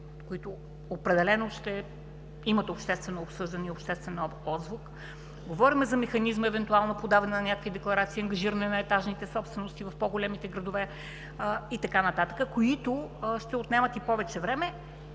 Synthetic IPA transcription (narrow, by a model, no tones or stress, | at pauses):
koit̪ʊː | pɾɛd̪ɛlɛnoʃt̪ɛ | imət̪opʃt̪ɛst̪vɛnoːpsɤʒd̪ɐniopʃt̪ɛst̪vɛnɔzvʊk | ɡovɔɾimɛzɐmɛxɐnizməɛvɛnt̪ualˠnopod̪avɛnɛnɐnʲakəkvid̪ɛklˠɐɾat̪siːɐŋɡɐʒiɾənɛnɐɛt̪aʒnit̪ɛsɔpst̪vɛnost̪ivɐfpɔɡolʲɛmit̪ɛɡɾɐd̪ʊvɛ | it̪ɐkanɐt̪at̪ə̥kəkoit̪ʊʃt̪ɛʊt̪nɛmət̪ipɔvɛt͡ʃɛvɾɛmɛ